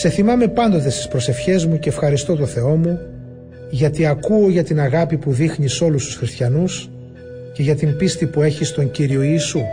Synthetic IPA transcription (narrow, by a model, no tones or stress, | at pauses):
se̞θimɐme̞pɐnd̪o̞t̪e̞st̪i̥spɾo̞se̞fçe̞zmuce̞ːfxɐɾist̪o̞t̪o̞θe̞o̞mu | ʝɐt̪iɐkuoʝɐt̪inɐɣɐpipuðixniso̞lust̪u̥sxɾist̪çɐnus | ce̞ʝɐt̪impist̪ipue̞çist̪o̞ɲciɾio̞iːsu